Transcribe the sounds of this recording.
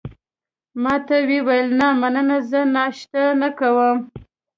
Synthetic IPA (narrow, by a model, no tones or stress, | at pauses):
mɑt̪awewajəlnamanənazənɑʃt̪anakawəm